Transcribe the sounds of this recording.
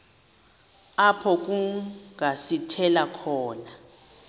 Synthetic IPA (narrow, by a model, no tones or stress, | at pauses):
apʰɔk̬ʼuŋasitʰɛlakʰɔːna